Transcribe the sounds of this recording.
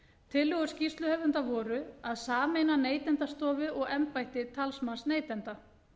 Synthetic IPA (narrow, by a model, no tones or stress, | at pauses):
t̪ʰɪlːʏɣʏɾscist̪lʏhœvʏnt̪avɔːɾʏaðsaːmejnaneːjt̪ɛnt̪ast̪ɔːvɪðɔɣɛmpajht̪ɪt̪ʰalsmansneːjt̪ɛnt̪a